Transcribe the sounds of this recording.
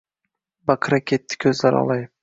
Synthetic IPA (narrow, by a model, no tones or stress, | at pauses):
baqʰɾakʲʰet̪ʰːɪ̥kʲʰɵzlaɾɒ̰lˠaj